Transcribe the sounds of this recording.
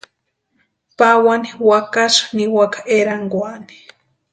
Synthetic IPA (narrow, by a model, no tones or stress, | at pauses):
pawaniwakaʃniwakḁʔeɾaŋɡwani̥